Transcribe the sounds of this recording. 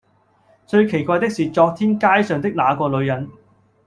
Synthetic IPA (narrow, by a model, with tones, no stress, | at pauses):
t͡sɵ˧ɥkʰe˨˩jkʷaː˧jt̪ɪ˥k̚siː˨˩t͡sɔː˧k̚t̪ʰiː˥nkaː˥jsœː˨ŋt̪ɪ˥k̚laː˨˧kɔː˧lɵ˨˧ɥjɐ˨˧˥n